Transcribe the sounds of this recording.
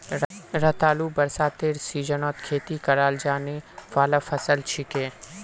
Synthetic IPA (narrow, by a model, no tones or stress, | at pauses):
ɾɐt̪aːlubɐɾsaːt̪eɾsiːd͡ʒənɔːt̪kʰeːt̪ikɐɾaːld͡ʒaːniʋaːlafʰɐsəlt͡ʃʰɪkẽː